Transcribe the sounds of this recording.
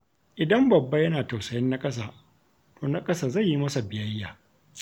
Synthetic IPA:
ʔɪ˨dɐ˦mbɐ˨bːɐ˦jɐ˦naː˨tɐ˨wsɐ˨jɐ˦nːa˦kʼɐ˦s̬aː˨ | toː˨na˦kʼɐ˦saː˨za˦˨jːi˦mɐ˦sa˨bɪ˨jɐ˦jːa̰ː˨

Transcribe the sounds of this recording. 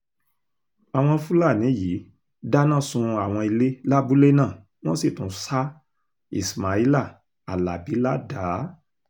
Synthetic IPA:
a˨w̃ɔ̃˧fu˦la˦˨nĩ˨˦ji˨˦ | da˦nãː˦˨sũ˧a˨w̃ɔ̃˧i˧le˦la˦bu˦le˦nã˦˨ | w̃ɔ̃˦si˦˨tũ˨˦sa˦ | ḭ˦˨sma˨˦i˦la˦˨ | a̰˨la˨bi˨˦la˦da˨˦

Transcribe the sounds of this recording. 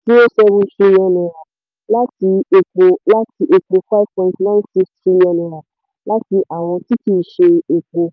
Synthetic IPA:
ti˦o˦sɛ˧βũ˧tɾi˦liɔ̃˧nɛ̃˨a˨ | la˦ti˧e˧k͡po˧la˦ti˧ʔe˧k͡po˧fa˦vpɔ̃˧˦tnã˦nsi˦kstɾi˦li˧ɔ̃˨˧nɛ˨a˨ | la˦ti˧ʔa˨w̃ɔ̃˧ti˦ti˦˨ʃe˧e˨k͡po˧

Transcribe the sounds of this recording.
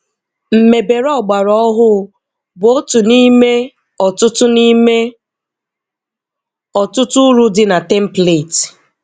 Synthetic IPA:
m̩˨me˨be˨ɾɔ˦˨ɡ͡ba˨ɾɔ˦ɦʊ˦ | bʊ˨o˦tʊ˨ni˦me˦ | ɔ˨tʊ˦tʊ˦ni˦me˦ | ɔ˨tʊ˦tʊ˦ɾu˦dɪ˦na˨te˦m̩˦ple˨t

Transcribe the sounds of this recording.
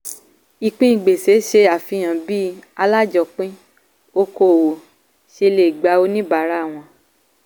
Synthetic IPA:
i˨k͡pĩ˦i˨ɡ͡be˨se˨˦ʃe˧a˨fĩ˧j̃ã˨bi˦a˧la˦d͡ʒɔ˧˨k͡pĩ˦ | o˦ko˧˨wo˨ | ʃe˧˦˧le˦˨i˨ɡ͡ba˨˦o˧˦nĩ˦ba˨˦ɾa˦˨w̃ɔ̃˧

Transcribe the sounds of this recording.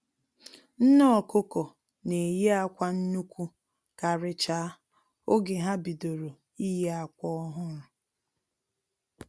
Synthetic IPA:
n̩˦nɔ˦ɔ˨kʊ˦kɔ˨ | ne˨je˦a˦kʷa˦n̩˦nu˦kʷu˦ | ka˨ɾɪ˨t͡ʃa˨˦ | o˦ɡe˨ɦa˦bi˨do˨ɾo˨ | i˦je˦a˨kʷɔ˦ɦʊ˦ɾʊ˨

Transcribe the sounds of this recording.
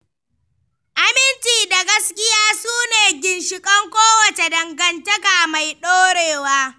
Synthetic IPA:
ʔa˦mɪ˦nt͡ʃiː˨da˨ɡɐ˦skʲɪ˦jaː˦suː˦neː˨ɡʲɪ˨nʃɪ˨kʼɐ˦ŋkʷoː˦wɐ˨t͡ʃe˨dɐ˨ŋɡɐ˨ntɐ˦ka˨ma˨jɗoː˦ɽeː˨waː˦

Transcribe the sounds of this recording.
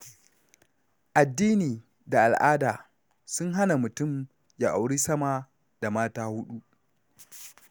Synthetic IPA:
ʔa˨dːiː˦niː˨ | da˨ʔa˨lʔaː˦daː˨ | sʊ˦ŋɦa˦na˨mʊ˨tʊ˦˨m | jaː˨ʔa˨wɽiː˦sɐ˦ma˦ | da˨maː˦taː˦hʊ˦ɗu˦ʔ

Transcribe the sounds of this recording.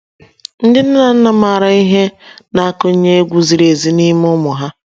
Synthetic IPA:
n̩˦dɪ˦n̩˦na˨n̩˦na˨ma˨ɾa˨i˦ɦe˦na˦a˦˨kʊ˦ɲ̩˦ɲe˦e˦ɡʷu˦zi˨ɾe˨zi˨ni˦m˦ʊ˦mʊ˨ɦa˦

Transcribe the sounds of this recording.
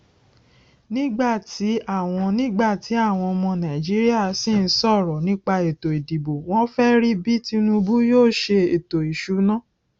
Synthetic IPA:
nĩ˦ɡ͡ba˦˨ti˨˦a˦˨w̃ɔ̃˧nĩ˦ɡ͡ba˦˨ti˨˦a˦˨w̃ɔ̃˧ɔ˧mɔ̃˧nã˨i˨d͡ʒi˨˦ɾi˦a˦˨si˦˨n̩˦sɔ˦˨ɾɔ˨nĩ˦k͡pa˧e˨to˨i˨di˨bo˨w̃ɔ̃˦fɛ˦ɾi˦bi˦ti˦˧nũ˧bu˦joː˦˨ʃe˧e˨to˨i˨ʃu˨˦nã˦

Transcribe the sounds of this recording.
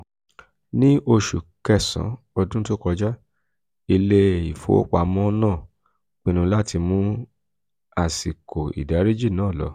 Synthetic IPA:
nĩ˦ʔo˧ʃṵ˨kɛ˦˨sã̰˨˦ | ɔ˧dũ˦to˦kɔ˧d͡ʒa˦ | i˧le˦i˨fo̰˨˦k͡pa˧˨mɔ̃˦nãː˦˨ | k͡pĩ˦˧nũ˧la˦ti˧mũ˦ | a˨si˨ko˨ḭ˨da˨˦ɾi˦d͡ʒi˦˨nãː˨˦˨lɔ̰˨˧˦

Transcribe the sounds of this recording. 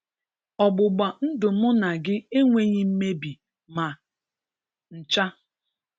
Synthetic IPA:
ɔ˨ɡ͡bʊ˨ɡ͡ba˨n̩˦dʊ˨mʊ˦na˨ɡɪ˦e˦ŋʷe˦ɲi˦m̩˦me˦bi˨ | ma˨ | n̩˨t͡ʃa˦

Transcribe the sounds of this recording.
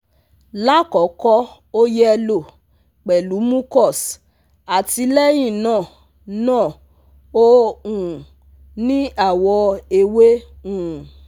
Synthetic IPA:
la˦kɔ˨˦kɔ˦ | o˦jɛ˦ɛ˧lo˦˨ | k͡pɛ˨lu˨˦mũ˦kɔ˦˨s | a˨ti˧lɛ˦j̃ĩ˦˨nãː˦˨ | nãː˦˨ | o˦ũ˨ | nĩ˦a˦˨wɔ˧e˧we˦ũ˦˨

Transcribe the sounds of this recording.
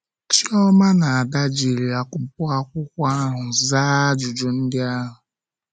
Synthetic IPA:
t͡ʃi˦ɔ˦ma˦na˨a˨da˦d͡ʒi˨ɾi˨a˨kʷʊ˨pʊ˦a˦kʷʊ˦kʷa˦ɦʊ˨zaː˦d͡ʒʊ˨d͡ʒʊ˨n̩˦dɪ˦a˦ɦʊ˨

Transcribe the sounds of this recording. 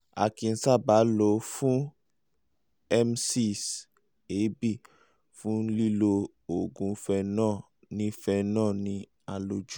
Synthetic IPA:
a̰˨kĩ˨˧n̩˨˦sa˦˨ba˨˦lo˧˦fũ˦ | ɛ˦msi˦s | e˨˦bi˦˨ | fũ˦li˦˨lo˧ | o˨ɡũ˨˧fɛ˧nãː˦˨ | nĩ˦fɛ˧nãː˦˨nĩ˧ | a˧lo˧d͡ʒu˦

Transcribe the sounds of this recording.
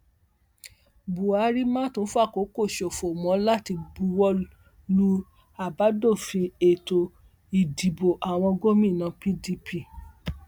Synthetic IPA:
bu˨a˨˦ɾi˦mã˦tõ˦fu˦a˦˨ko˨˦ko˦˨ʃo˨fo˨mɔ̃˨˦la˦ti˧bu˧˦wɔ˦ | lu˦ | a˨ba˨˦do˦˨fĩ˧e˨to˨ | i˨di˨bo˨ʔa˨w̃ɔ̃˧ɡo˦mĩ˦˨nã˧˦pi˦di˧pʰi˦˨

